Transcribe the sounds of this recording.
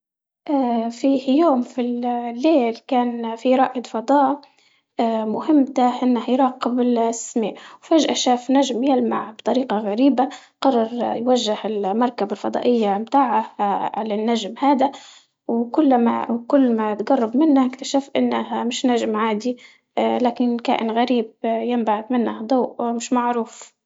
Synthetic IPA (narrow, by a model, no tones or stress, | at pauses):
ʔafijoːmfillːeːlkaːnfiɾˤɑːʔɪd̪fɑd̪ˤɑːʔ | mʊhɪmːt̪aʔɪnːahajɾˤɑːqɪbɪlsmiːʔwfaʒʔaʃaːfnaʒmjalmaʕbt̪ˤɑɾiːqɑɣaɾiːba | qɑrˤːɑɾˤjwaʒːɪhɪlmɑɾˤkabalfɑd̪ˤɑ̰ːʔɪjːamt̪aːʕaʕalanːaʒmhaːd̪a | wkʊlːma̰kʊlːmat̪ɡɑrˤːɑbmɪnːaɪkt̪aʃafʔɪnːahamɪʃnaʒmʕaːd̪i | laːkɪnka̰ːʔɪnɣaɾiːb̚jɪmbaʕd̪mɪnːahd̪ˤɑːʔmɪʃmaʕɾuːf